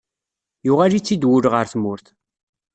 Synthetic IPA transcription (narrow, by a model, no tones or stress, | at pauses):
jʊʁalit͡sːid̪wʊɾʁəɾθmʊɾθ